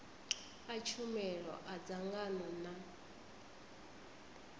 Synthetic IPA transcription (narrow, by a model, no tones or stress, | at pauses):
at͡ʃʰumɛɺɔ̰ʔad͡zaŋɡanɔna